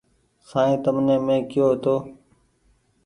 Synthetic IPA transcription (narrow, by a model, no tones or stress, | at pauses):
sãːĩːt̪əmnẽːmẽːkɪjoːɦt̪oː